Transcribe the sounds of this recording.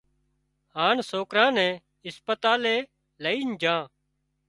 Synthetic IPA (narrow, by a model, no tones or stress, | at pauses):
haːɳsoːkɾãːnɛ̃ː | ɪspət̪aːleː | ləiːnd͡ʒʱãː